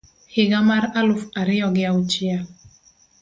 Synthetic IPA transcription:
hɪɡamaɾalʊfaɾɪjɔɡɪaut͡ʃɪa

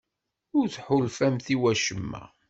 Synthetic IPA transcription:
ʊɾθħʊlfæmθiwæʃəmːæ̰

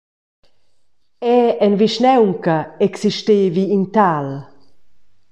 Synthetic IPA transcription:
ɛɛnviʃnɛwŋkɐɛksiʃteːviːnt̪al

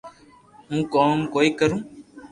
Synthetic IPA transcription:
ɦũːkoːmkoːiːkəɾũː

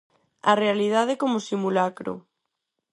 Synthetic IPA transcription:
ɐrealiðað̞ɪkomosimulakɾo̰

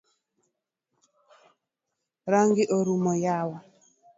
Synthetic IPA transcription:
ɾaŋɡiʔoɾumɔjawa

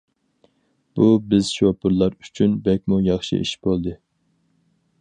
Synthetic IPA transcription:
b̥ubɪzʃopʰʊɾlˠɑɾyt͡ʃʰynbɛk̚ʲmujɑχʃḭʔḭʃbolˠd̪ɨ

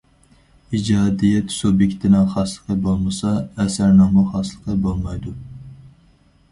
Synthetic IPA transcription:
id͡ʒɑːd̪ijɛt̪subjekʲt̪ʰɪnɑχɑslˠə̥qʰəbolˠmɨsɑɛsæɾnɑːmɑχɑslˠəqʰəbolˠmɑjd̪u

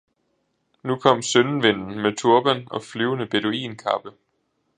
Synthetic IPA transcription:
nukʰɒ̽m̰sønn̩ʋe̝n̰n̩met͡sʰuɐb̥ænɒ̽flyːʊnəb̥e̝do̝ḭːnkʰɑ̈b̥ə

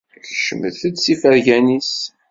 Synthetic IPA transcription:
çʃəməðθəd̪sifæɾʝænis

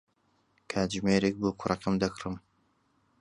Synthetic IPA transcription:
kʰaːd͡ʒmeːɾek̚boːkʷʰʊrɐqɨmd̪ɐkʰrɨm

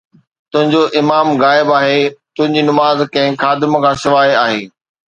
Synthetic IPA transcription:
t̪ʊ̃ɦɪ̃ɲd͡ʑoʔɪmaːmɣaːɪbaːɦet̪ʊ̃ɦɪ̃ɲd͡ʑiːnɐmaːzkɐ̃ɦɪ̃xaːd̪ɪmkʰãːsɪʋaːjaːɦeː

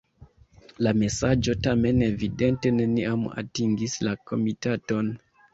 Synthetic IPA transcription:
lame̞sad͡ʒo̞tame̞ne̞vide̞nte̞ne̞niama̰tiŋɡislako̞mitato̞n

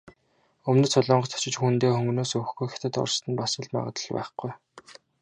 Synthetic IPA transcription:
ɵmnɘ̆sʊɮɔːɴɢɞ̆t̪ʰɔ̥t͡ɕɪ̆t͡ɕxunt̪eːxɵŋɡ̆noːsɵxɡujxe̥t̪ɘ̆t̪ɔ̰rst̪ɘ̆npasə̆ɮma̰ʁə̆t̪ə̆ɮpæ̰ːχɡuj

